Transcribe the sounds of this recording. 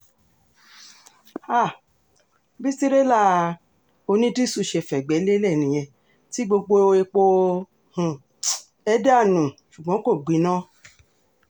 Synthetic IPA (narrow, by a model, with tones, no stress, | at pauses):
a˦˨ | bi˦ti˦ɾe˦la˦˨˧ | o˧nĩ˦di˦su˦˧˨ʃe˧˨fɛ˨ɡ͡bɛ˨˦le˦lɛ˦˨nĩ˨j̃ɛ̃˧ | ti˨˦ɡ͡bo˧ɡ͡bo˧e˧k͡po˧ | h̩˨ | ɛ˦da˦˨nũ˨ʃu˨ɡ͡bɔ̃˨˦ko˦˨ɡ͡bi˨˦nã˦